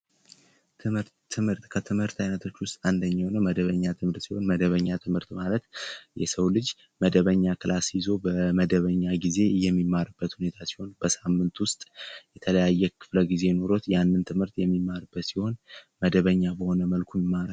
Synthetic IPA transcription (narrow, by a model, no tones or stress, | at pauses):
t̪ʰɨmɨɾʰ | ɨmhɨɾt̪kʰət̪ʰɨmhɨɾt̪ʰajnət̪ʰo̞t͡ʃːwʊst̪ʼand̪əɲːawnəwməd̪əβəɲːat̪ʰɨmhɨɾt̪siho̞nməd̪əβəɲːat̪ʰɨmhɨɾt̪malət̪jɛsəwlɨd͡ʒ | məd̪əβəɲːakɨlasjizo̞bəməd̪əβəɲːaɡize̞jɛmːimːaɾɨbːət̪hune̞t̪ʰasi̥ho̞nbəsamːɨnt̪wʊst̪ʼjɛt̪ʰələjajːɛkʰɨ̥fləɡize̞no̞ɾo̞t̪janːɨnt̪ʰɨmhɨɾt̪jɛmːimːaɾɨbːət̪siho̞nməd̪əβəɲːabəho̞nəməlkʰummːaɾə